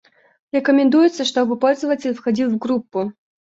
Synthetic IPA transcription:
rɛkɐmʲɛnd̪ujɛt̪sːɐʂt̪ɔbɨpɔlʲzɐvɐt͡sʲɪlʲfxad͡zʲilˠwɡɾupːu

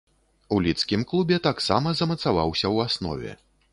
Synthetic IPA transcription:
ulʲit̪skʲimklˠubʲɛt̪aksa̰mɐzɐmɐt̪sava̰wsʲɐwasnɔ̰vʲɛ̰

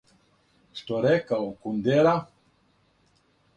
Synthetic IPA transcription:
ʃt̪oɾɛkakund̪eɾa

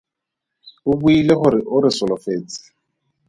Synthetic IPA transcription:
ʊbuileχʊɾɪʔʊɾɪsɔlɔfeːt͡sɪ̥

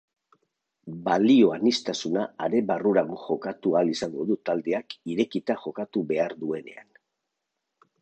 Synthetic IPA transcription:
balio̞anist̪asunaːɾe̞baruɾaɣoʝo̞kat̪ualisaŋɡo̞ðut̪ald̪e̞akiɾe̞kit̪aʝo̞kat̪uβe̞aɾðue̞ne̞̰a̰n

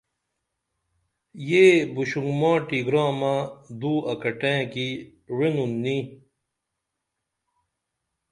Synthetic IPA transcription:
jeːbuɕuŋɡmãːʈiɡɾãːmãd̪uːɐkɐʈẽːki | wenunːĩ

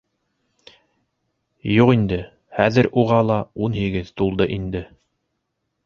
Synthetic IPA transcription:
juqind̪ɘ | hæðɘɾʔuʁɑlˠɑunhiɡɘðt̪ulˠd̪ɤʔind̪ɘ

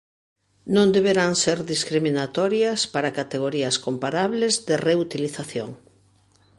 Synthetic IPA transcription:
nõnd̪eβeɾaŋseɾðiskɾiminat̪ɔɾjɐspaɾakat̪eɣoɾiɐskompaɾaβlezðɪreut̪iliθaθjoŋ

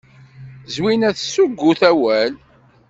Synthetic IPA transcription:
zwinæθsuɡːuθæwæl

